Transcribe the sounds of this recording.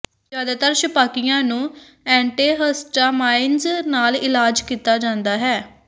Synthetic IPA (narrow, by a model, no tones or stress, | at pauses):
zjaːd̪aːt̪əɾʃəpaːkɪjãːnũː | ɛ̃ːɳʈeːɦəsʈaːmaːɪnznaːlɪlaːd͡ʒkiːt̪aːd͡ʒãːnd̪aːɦɛː